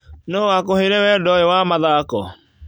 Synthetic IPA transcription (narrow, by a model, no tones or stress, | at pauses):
noːwakoheɾewɛdɔewamaðakɔ